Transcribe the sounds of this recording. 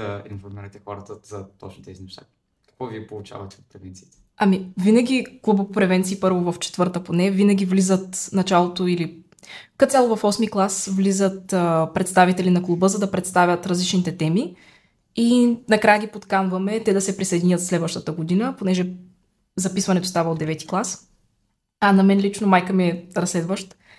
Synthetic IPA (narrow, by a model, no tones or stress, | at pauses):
ɐinfoɾmiɾət̪ɛxɔɾɐt̪əz̥ɐt̪ɔt͡ʃnit̪ɛzinɛʃt̪a | kɐ̥kvɔviɛpolˠut͡ʃa̰vɐt̪ɛot̪̚pɾɛvɛnt̪siit̪ɛ̥ | ɐmivinɐɡʲiklˠubəpɾɛvɛnt̪siːpɤɾvovɐft͡ʃɛ̥t̪vɤɾt̪əponɛvinəɡ̟ʲivlizət̪nɐt͡ʃalˠot̪oili | kɐt̪sʲalˠovɐfɔsmiklˠasvlizət̪əpɾɛt̪st̪avit̪ɛlinɐklˠubəzɐd̪ɐpɾɛt̪st̪avʲət̪ɾɐzlit͡ʃnit̪ɛt̪ɛmi | inɐkɾajəɡʲipot̪kanvɐmɛt̪ɛd̪ɐsɛpɾisɐjd̪ʲinʲət̪slɛd̪vəʃt̪ət̪əɡod̪inəponɛʒɛ | zɐpisvɐnɛt̪ost̪avəod̪ɛvɛt̪i̥klˠas | ɐnɐmɛnlit͡ʃnomajkəmiɛɾɐslɛd̪vəʃt̪